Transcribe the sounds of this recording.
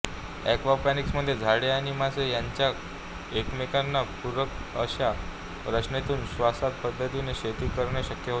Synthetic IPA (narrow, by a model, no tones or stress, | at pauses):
ɛ̰kʋapæniksməd̪ʱːjed͡zʱaɽeaɽ̃imasejaɲt͡ɕja | ekmekanːapuɾʋəkə̰ɕa | ɾət͡ɕnet̪uːnɕʋasat̪̚pəd̪ʱːət̪ineɕet̪iːkəɾɳjaɕəkjəɦo